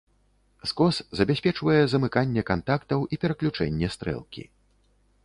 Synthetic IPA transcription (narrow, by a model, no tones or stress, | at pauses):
skɔszɐbʲɛsʲpʲɛt͡ʂvɐjɛzɐmɨkanʲːɛkant̪akt̪ɐwʔipʲɛɾɐklʲut͡ʂɛ̰nʲːɛst̪ɾɛ̰lˠkʲḭ